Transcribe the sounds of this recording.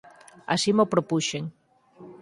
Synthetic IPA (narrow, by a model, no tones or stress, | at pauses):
a̰simopɾopuʃeŋ